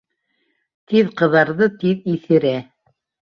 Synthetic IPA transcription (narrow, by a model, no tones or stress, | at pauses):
t̪iðqɤ̆ðɑɾðɤt̪iðiθɘ̆ɾæ